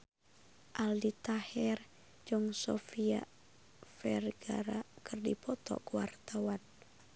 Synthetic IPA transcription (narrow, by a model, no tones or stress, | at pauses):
ʔaldit̪ahɛr | d͡ʒɔŋsɔfia̰ | fɛrɡa̰ɾakɨrdipɔt̪ɔ̰kuwart̪awan